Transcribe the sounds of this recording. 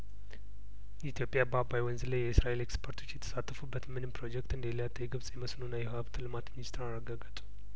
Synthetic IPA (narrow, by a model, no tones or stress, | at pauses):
jit̪ʰijo̞pʼjababajwənzɨləjɛɨsɾaʔele̞kspʰoɾt̪ʰo̞t͡ʃːjɛt̪ʰə̥sat̪ʰːəfubːət̪mɨnɨmpɾo̞d͡ʒɛkt̪ɨnd̪əljat̪ʼːəjɛɡɨβsʼjɛməsnunːajɛhaβt̪ʰɨlɨmat̪minist̪ʰɨɾarːəɡaɡət̪ʼu̥